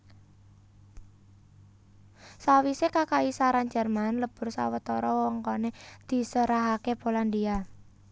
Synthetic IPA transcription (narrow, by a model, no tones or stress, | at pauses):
sawisekakaisaɾand͡ʒə̤rmanləb̥ʊ̤rsa̰wət̪ɔɾɔwɔŋkɔned̪̥i̤səɾaɦakeb̥o̤land̪ia